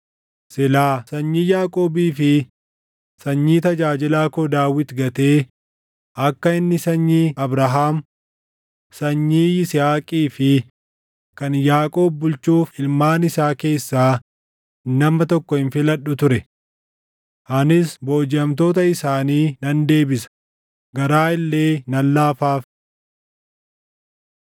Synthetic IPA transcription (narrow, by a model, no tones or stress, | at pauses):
sɪlaːsɐɲːiːjaːkʼoːbiːfɪ | sɐɲːiːt̪ɐd͡ʒaːd͡ʒɪlaːkɔd̪aːwɪt̪ɡɐt̪e̞ː | ʔɐkːɐɪnːɪsɐɲːiːɐbɾɐɦaːm | sɐɲːiːɪsɪhaːkʼiːfɪ | kɐnjaːkʼo̞ːb̚ːʊlt͡ʃuːfɪlmaːnɪsaːke̞ːsːaː | nɐmɐt̪ɔkːɔhɪnfɪlɐɗʊt̪ʊɾɛ | ʔɐnɪsbo̞ːd͡ʒɪɐmt̪̬o̞ːt̪̬ɐɪsaːniːnɐnd̪e̞ːbɪsɐ̥ | ɡɐɾaːɪlːe̞ːnɐlːaːfaːf